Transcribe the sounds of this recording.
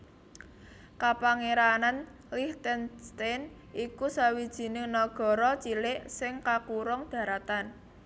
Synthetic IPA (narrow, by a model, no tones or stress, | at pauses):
kapaŋeɾanan | liht̪ɛnst̪en | ʔikusawid̥ʒ̥i̤nɪŋnɔɡ̥ɔ̤ɾɔt͡ʃilɪʔsɪŋkakuɾʊŋd̪̥ä̤ɾat̪an